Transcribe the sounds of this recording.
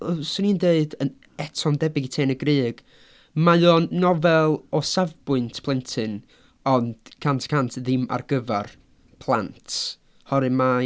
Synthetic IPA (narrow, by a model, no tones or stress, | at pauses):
sʊnindeɨdən | ɛtʰɔmdɛbɪɡitʰeːnəɡrɨːɡ̥ | majɔːnːɔvɛlˠɔsavbʊɨntʰpʰlˠɛntʰɨn | ɔnd̥kʰantʰkʰantʰðɪma̰rɡəvar | pʰlˠa̰ntʰ | hɔɾɨma